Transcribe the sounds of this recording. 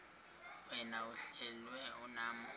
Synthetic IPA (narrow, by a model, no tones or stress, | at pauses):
wɛnauɬɛlwɛunaːmɔ